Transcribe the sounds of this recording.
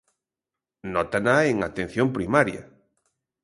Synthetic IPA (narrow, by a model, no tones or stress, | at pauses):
nɔt̪anaeŋat̪ẽn̟θjompɾimaɾja̰